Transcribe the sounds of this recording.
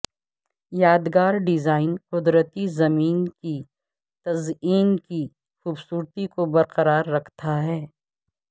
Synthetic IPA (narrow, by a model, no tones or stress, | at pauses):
jaːd̪ɡaːɾɖɪzaːɪnqʊd̪ɾət̪izɐmiːnki | t̪ɐziːnki | xuːbsuːɾt̪ikobɐɾqɐɾaːɾːɐkʰt̪aɦɛː